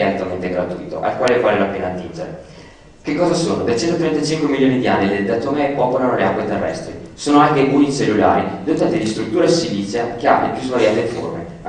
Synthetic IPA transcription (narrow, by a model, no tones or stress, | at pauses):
at̪ːament̪eɡɾat̪ujt̪o̰ʔa̰lkwaːlefaːlelapeːnat̪ːind͡ʒeɾe | kekːɔːzasoːnod̪ajt͡ʃɛnt̪ot̪ɾent̪at͡ʃiŋkwemilːjoːnid̪ianːiled̪at̪omepːɔːpolanoleakːwet̪erːɛ̰st̪ɾisoːnoaŋk̪eunit͡ʃelːula̰ːɾid̪ot̪ant̪id̪ist̪ɾut̪ːuːɾasivit̪sjakealḛpjuzvaɾjaːt̪efo̰rmḛ